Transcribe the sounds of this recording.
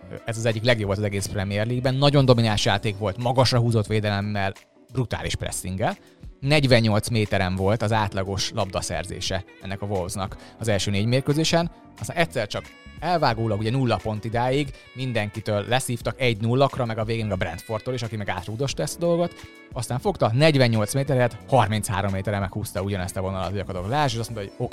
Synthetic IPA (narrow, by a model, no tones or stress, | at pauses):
ɛzɒzɛɟːiklɛɡjobot̪ɒzɛɡeːsprɛmijɛrliːɡbɛnːɒɟo̞nd̪o̞minaːlʃjaːt̪eːkʋo̞lt̪mɒɡɒʃrɒɦuːzo̞t̪ʋeːd̪ɛlɛmːɛl | brut̪a̰ːliʃprɛ̰sːiŋɡɛl | nɛɟʋɛɲːo̞lt̪smeːt̪ɛɾɛɱvo̞lt̪ɒzaːt̪lɒɡo̞ʃlɒbd̪ɒsɛ̰rzḛːʃɛɛnːɛkɒvo̞lvznɒ̰kɒzɛlʃøːneːɟmeːrkøzeːʃɛn | ɒst̪aːnɛct̪ʲsɛrt͡ʃɒk | ɛlvaːɡoːlɒɡuɟɛnulːɒpo̞nt̪id̪aːjiɡ | mind̪ɛŋkit̪øːlːɛsiːft̪ɒkɛɟnulːɒkrɒmɛɡɒveːɡenɛɡɒbrɛ̰nt̪fo̞rt̪ːoːliʃɒkimɛɡaːt̪roːd̪o̞ʃt̪ɒɛst̪ɒd̪o̞lɡo̞t̪ | ɒst̪aːɱfo̞kt̪ɒnɛɟvɛɲːo̞lt̪smeːt̪ɛɾɛɛt̪hɒrmintsha̰ːɾo̞mːeːt̪ɛɾɛmɛkhuːst̪ɒuɟɒnɛst̪ɒvo̞nɒlɒ̰t̪ːjɒkɒd̪oklɛaʃeʃɒsmont̪oɟo̞kː